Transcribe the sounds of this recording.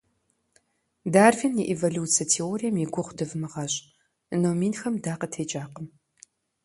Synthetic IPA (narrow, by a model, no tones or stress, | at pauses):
daːrviniʔevoluːt͡sijɐtʰeoːɾijɐmjiɡʷʊχʷdɨvɨmɨʁɐɕʼ | ɨnoːmiːnxɐmdaːqətʰeːt͡ʃʼaːqəm